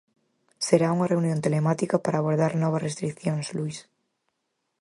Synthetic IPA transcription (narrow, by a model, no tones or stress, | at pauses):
seɾauŋare̞unjo̞nt̪e̞lemat̪ikapaɾaːβ̞oɾð̞aɾnɔβ̞asrest̪ɾikθjonslujs